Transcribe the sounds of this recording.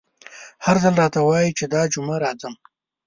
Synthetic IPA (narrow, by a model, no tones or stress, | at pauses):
haɾzəlɾɑt̪awɑjit͡ʃed̪ɑd͡ʒʊmaɾɑzəm